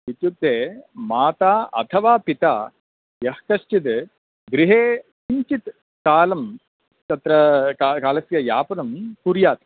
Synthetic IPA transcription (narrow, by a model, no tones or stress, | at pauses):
it̪jut̪ːeːmaːt̪aːɐ̰t̪ʰɐʋaːpit̪aː | jɐhkɐʃt͡ʃit̪ | ɡɾiɦeːkiɲt͡ʃit̪ | kaːlɐm | t̪ɐt̪ɾɐkakaːlɐsjɐjaːpɐnɐmkuɾjaːt̪ɐ̥